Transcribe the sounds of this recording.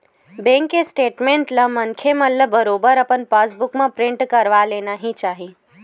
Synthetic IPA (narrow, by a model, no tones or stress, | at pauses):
bẽːŋkːesʈeːʈmẽːɳʈləmənkʰeməlləbəɾoːbəɾəpənpasbʊkmãpɾɪ̃ɳʈkəɾʋaleːnaɦĩt͡ʃaːɦi